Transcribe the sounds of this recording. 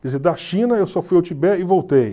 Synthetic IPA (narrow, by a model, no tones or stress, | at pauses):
kized̪ɐʃĩnɐewsɔfujawt͡ʃ̪ibɛɪvowt̪ej